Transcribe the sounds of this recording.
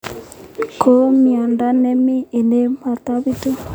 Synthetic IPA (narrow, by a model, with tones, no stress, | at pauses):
kʰo˦mi˨a˨nda˦nɛ˦mi˦e˨ne˦ma˨t̪a˦βi˦to˦